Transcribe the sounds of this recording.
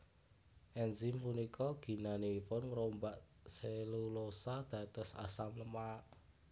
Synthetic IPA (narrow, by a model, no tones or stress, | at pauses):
ʔɛnzimpunikʰɔɡ̥i̤naneipʊnməɾombaʔ | selulosad̪̥ä̤t̪ɔsa̰samləmaʔ